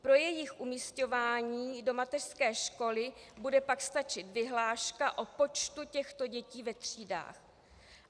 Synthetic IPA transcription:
pɾo̞jɛjɪxʔumisco̞vaːɲiːdo̞mat̪ɛr̥skɛːʃko̞lɪbudɛpakst̪at͡ʃɪt̪vɪɦlaːʃkaʔo̞po̞t͡ʃt̪ucɛxt̪o̞ɟɛciːvɛt̪r̥iːda̰ːx

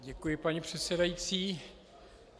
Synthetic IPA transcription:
ɟɛkujɪpaɲipr̝̥ɛt̪sɛdajit͡siː

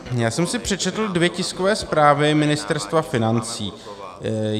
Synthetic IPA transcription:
jaːsɛmsɪpr̝̥ɛt͡ʃɛt̪l̩dvjɛcɪsko̞vɛːspɾaːvɪmɪnɪst̪ɛɾst̪vafɪnant͡siː

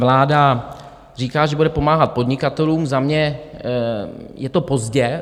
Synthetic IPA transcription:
vlaːda | riːkaːʒɛbudɛpo̞maːɦat̪̚po̞dɲɪkat̪ɛluːmzamɲɛ | jɛt̪opo̞zɟɛ

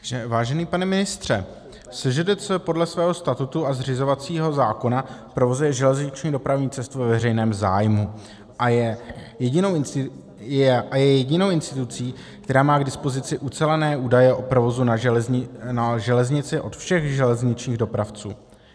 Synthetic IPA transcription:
ʒɛvaːʒɛniːpanɛmɪnɪst̪r̝̥ɛ | sɛʒɛdɛɛpo̞dlɛsvɛːɦo̞st̪at̪ut̪uazr̝ɪzo̞vat͡siːɦo̞zaːko̞napɾo̞vo̞zujɛʒɛlɛzɲɪt͡ʃɲido̞pɾavɲiːt͡sɛst̪uvɛvɛrɛjnɛːmza̰ːjmu | ʔajɛjɛɟɪnowɪn | ɛʔajɛjɛɟɪno̞wʔɪnst̪ɪt̪ut͡siː | kt̪ɛɾaːmaːɡdɪspo̞zɪt͡sɪʔut͡sɛlɛnɛːʔuːdajɛʔo̞pɾo̞vo̞zuna | naʒɛlɛzɲɪt͡sɪʔo̞t̪fʃɛɣʒɛlɛzɲɪt͡ʃɲiːɣdo̞pɾaft͡sṵː

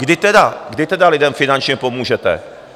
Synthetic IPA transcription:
ɡdɪt̪ɛdaɡdɪt̪ɛdalɪdɛmfɪnant͡ʃɲɛpo̞muːʒɛt̪ɛ̰

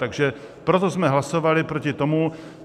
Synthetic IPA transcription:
aɡʒɛ | pɾot̪ozmɛɦlasovalɪpɾocɪt̪o̞mu

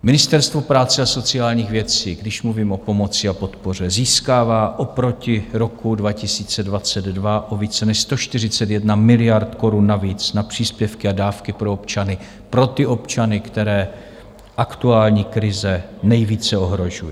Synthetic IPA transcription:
mɪnɪst̪ɛɾst̪vo̞pɾaːt͡sɛaso̞t͡sɪaːlɲiːxvjɛt͡siːɡdɪʃmluviːmʔo̞po̞mo̞t͡sɪapo̞t̪po̞r̝ɛziːskaːvaːʔopɾo̞cɪɾo̞kudvacɪsiːt͡sɛdvat͡sɛd̪dvaʔoviːt͡sɛnɛʃst̪oʃt̪ɪr̝ɪt͡sɛt̪jɛdnamɪlɪjaɾt̪ko̞ɾunːaviːt͡snapr̝̥iːspjɛfkɪadaːfkɪpɾoopt͡ʃanɪ | pɾo̞t̪ɪo̞pt͡ʃanɪkt̪ɛɾɛː | ʔakt̪uaːlɲiːkɾɪzɛnɛjviːt͡sɛo̞ɦɾo̞ʒuji

